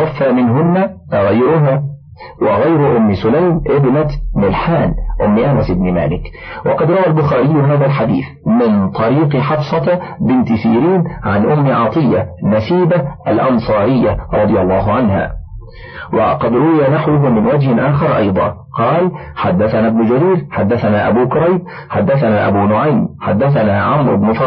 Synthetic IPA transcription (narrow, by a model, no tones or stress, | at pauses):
afːaːmɪnɦʊnːaɣajɾʊɦaː | wɑɣajɾʊʔʊmːɪsʊlajmʔɪbnamɪlħaːnʔʊmːɪʔanasʔɪbnɪma̰ːlɪk | wɑqɑd̪ɾˤɑwalbʊxaːɾɪjːʊɦaːðalħad̪ḭːθ | mɪnt̪ˤɑɾiːqɨħɑfsˤɑbɪnt̪ɪsiːɾiːnʕa̰nʔʊmːɪʕɑt̪ˤɨjːanasiːbaʔa̰lʔɑnsˤɑːɾɪjːaɾˤɑd̪ˤɨjɑlˤːɑːɦʊʕanha̰ː | wɑ̰qɑd̪ɾˤʊwɪjanaħwʊɦʊmɪnwad͡ʒhɪnʔaːxɑɾˤʔɑ̰jd̪ˤɑ̰ː | qɑːl | ħad̪ːaθanaːbnʊd͡ʒaɾiːɾħad̪ːaθanaːʔabuːkʊɾˤɑjb̚ | ħad̪ːaθanaːʔabuːnʊʕajmħad̪ːaθanaːʕamɾʊ̰bnʊf